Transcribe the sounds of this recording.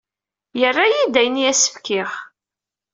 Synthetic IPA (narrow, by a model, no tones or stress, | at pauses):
jərːajid̪æjəniæsə̥fkɪχ